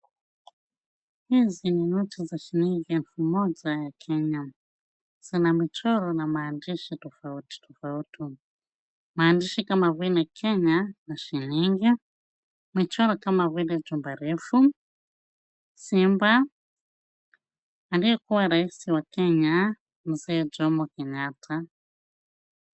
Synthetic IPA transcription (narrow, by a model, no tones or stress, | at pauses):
hizininut͡ʃizaʃiniŋɡinfumɔd͡zajakʰɛɲa | z̥inamit͡ʃɔɾɔnamaːndiʃitɔfauti̥tʰɔfauti | maːndiʃikamavuinakʰeɲanaʃiniŋɡi | mit͡ʃɔɾɔkamaβuined͡ʒumbaɾefu | simba | ndiɛkuwaɾaisiwakɛɲa | muzɛːd͡ʒɔmɔkeɲaːtʰa